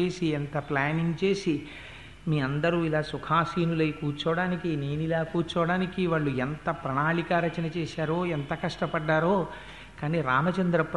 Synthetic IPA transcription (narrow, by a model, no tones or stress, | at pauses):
eːsient̪ɐplaːniŋɡt͡ʃe̞ːsi | miːɐnd̪ɐɾuːilaːsukʰaːsiːnulɐjkuːɾt͡ʃɐʋɐɽaːnikine̞ːnilaːkuːɾt͡ʃɐʋɐɽaːnikiʋaːɭːuent̪ɐpɾɐɳaːɭikaːɾɐt͡ʃɐnɐt͡ʃɛːʃaːɾoːent̪ɐkɐʂʈɐpɐɖːaːɾoː | kaːniɾaːmɐt͡ʃɐnd̪ɾɐp